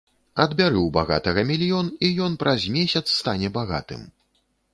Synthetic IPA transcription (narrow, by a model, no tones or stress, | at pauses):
ɐd̪bʲaɾɨwbaɣa̰t̪ɐɣɐmʲilʲjɔnijɔnpɾʔɐzʲmʲesʲɐt̪sːt̪anʲɛbaɣa̰t̪ɨ̰m